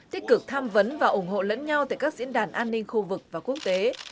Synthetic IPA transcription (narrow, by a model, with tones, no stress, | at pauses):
t̪i˦˥t̚k̚kɨ˨˩k̚t̪ʰaː˧mvə˨˦nvaː˨˩ʔʊ˧˩ŋ͡mɦo̰˧˨lə̰˧˥nɲa˧wt̪aː˧˩jkaː˦˥k̚zḭ˧˥ənɗaː˧˩nʔaː˧nːï˧ŋ̟xu˧vɨ˨˩k̚vaː˨˩ku˦˥ək̚t̪e˨˦